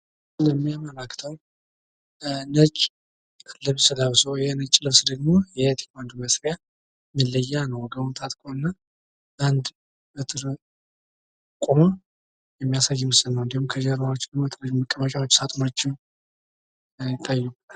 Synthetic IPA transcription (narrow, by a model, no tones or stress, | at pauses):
ləmːijaməlakʰːt̪ʰəw | nət͡ʃʼ | lɨβsɨd̪awsəwjɛnət͡ʃʼːlɨβsd̪əɡmo̞jɛt̪ʰi̥kand̪uməsɾja | mɨlːəjːanəwɡəunt̪ʰat̪ʼkʼoɨnːa | band̪ | ʔɨt̪ʼɨɾ | kʼuma | jɛmːijasajːɪmɨsɨnːəwɨnd̪ihumkʰəd͡ʒɛɾawot͡ʃːd̪əmot̪ʰʼɨɾəməkʼːəβət͡ʃʼawot͡ʃːsat̪ʼmot͡ʃːɪw | jɪt̪ʰːajːubət̪al